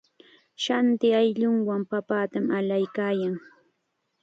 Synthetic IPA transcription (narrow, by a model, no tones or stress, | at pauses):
ʃant̪ɪajʎʊŋwampapaːt̪amalajkaːjaŋ